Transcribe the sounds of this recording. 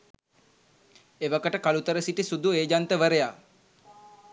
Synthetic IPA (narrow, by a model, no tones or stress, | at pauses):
eʋəkəʈəkalut̪əɾəsiʈisud̪ueːd͡ʒant̪əʋəɾəja